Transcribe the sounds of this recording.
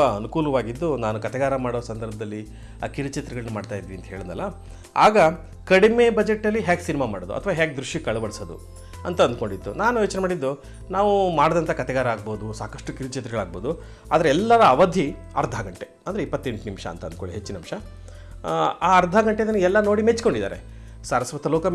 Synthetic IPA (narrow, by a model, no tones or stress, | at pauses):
aɐnukuːlɐʋaːɡid̪ːunaːnukɐt̪ɛɡaːɾɐmaːɽoːsɐnd̪ɐɾbʱɐd̪ɐlːi | a̰ːkiɾɐt͡ʃet̪ɾɛɡɐɭɐnumaːɖt̪aːjd̪ːʋiɐnt̪ɐ̥ɦe̞ːɭɐnd̪ɐ̰lːɐ | a̰ːɡɐ | kɐɽime̞ːbɐd͡ʒeʈːɐlːiɦaːɡsinimamaːɽod̪ṵʔɐt̪ʰʋaːɦaːɡ̚d̪ɾuʂjikɐɭɐbɐɽsɐd̪ṵ | ɐ̰nt̪ɐɐnd̪uko̞ɳɖid̪ːṵnaːnujoːt͡ʃnemaːɽid̪ːu | naːʋumaːɽɐd̪ɐnt̪ʰɐkɐt̪ɛɡaːɾɐaːɡ̚boːd̪usaːkɐʂʈukiɾut͡ʃet̪ɾɛɡɐɭaːɡ̚boːd̪u | a̰ːd̪ɐɾeɛlːɐɾɐːʋɐd̪ʱji | ɐ̰ɾd̪ʱaːɡɐɳʈeɐnd̪ɐɾipːɐt̪ːe̞ɳʈunimʂɐ̰ːnt̪ɐnd̪koɳɖiɦet͡ʃːinɐmʂɐ | aːɐɾd̪ʱaːɡɐɳʈed̪ɐnːuɛlːɐnoːɽimet͡ʃko̞ɳɖid̪a̰ːɾḛ | saːɾɐsʋɐt̪ɐloːkɐm